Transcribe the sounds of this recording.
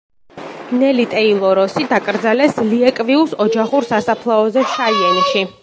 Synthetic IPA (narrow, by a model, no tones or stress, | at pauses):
nɛlit̪ʼɛilˠɔɾɔsid̪akʼɾd̪zalɛsliɛkʼviusɔd͡ʒaχuɾsasapʰlˠaɔzɛʃaiɛnʃi